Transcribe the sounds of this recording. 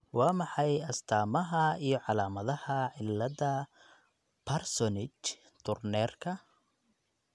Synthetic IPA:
wɑːmɑħɑjɐst̪ʰaːmɐɦɐijɞʕɑlaːmɐðɐhɐʕɪlːɐðɐ | pʰɐrsɔnɪt͡ʃ | t̪ʰʊrnɛːrkʰɐ

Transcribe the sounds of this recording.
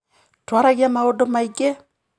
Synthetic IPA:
twaɾaɣiamaɔdɔmaikɛ

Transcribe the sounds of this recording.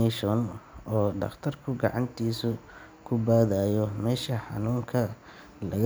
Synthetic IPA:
ɛʃɔnɔːɖɑ̰ft̪ʰɐrkʰʊɡɑ̰ʕɑnt̪ʰiːsʊ | kʰʊbaːðajɔmɛːʃɐħɑ̰nuːŋkʰɐ | lɐɣ

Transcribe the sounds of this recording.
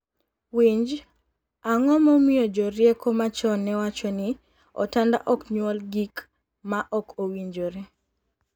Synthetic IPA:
wiɲd͡ʒ | aŋɔmomiod͡ʒɔɾjekomat͡ʃɔnɛwat͡ʃɔnɪ | ɔ̰tanda̰ʔɔkɲwɔlɡik | maʔɔkowiɲd͡ʒoɾe

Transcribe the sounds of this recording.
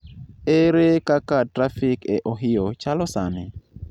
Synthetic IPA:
eɾekakatɾafɪkeʔoɦɪjot͡ʃalɔsanɛ

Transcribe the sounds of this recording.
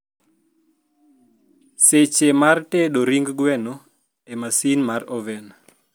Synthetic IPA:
set͡ʃemarteɗoɾiŋɡɡwɛno | emasinmarɔvɛn

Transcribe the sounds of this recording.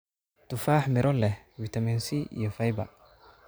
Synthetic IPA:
t̪ʊfaːħmɪɾʔɔlɛhwit̪ʰɐmɛnsiḭjɔfɐjbɐ̰

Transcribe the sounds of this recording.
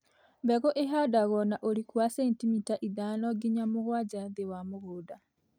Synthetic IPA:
bɛɣɔʔeɦadaɣɔnaʔoɾikwasentimitaʔiðanɔɡiɲamuɣwad͡ʒaðewamuɣoda

